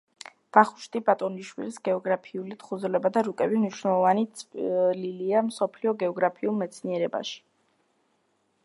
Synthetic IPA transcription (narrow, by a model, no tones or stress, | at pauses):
d̪̥aχu̥ʃt̪ʼibat̪ʼɔniʃwḭlisɡɛɔɡɾapʰiulit̪χud̪zɾlɛbad̪aɾukʼɛbimniʃwnɛlˠɔvani | liliamsɔpʰliɔɡɛɔɡɾapʰiulˠmɛt̪sʰniɛɾɛba̰ʃi̥